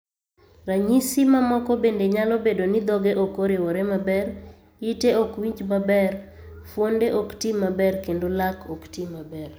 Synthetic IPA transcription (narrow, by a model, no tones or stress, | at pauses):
raɲisimamɔkɔbendeɲalɔbedonid̪ɔɡeʔokoɾɪwɔɾemabɛɾ | iteokwiɲt͡ʃmabɛr | fwondeʔoktimːabɛrkendolakoktimːabɛr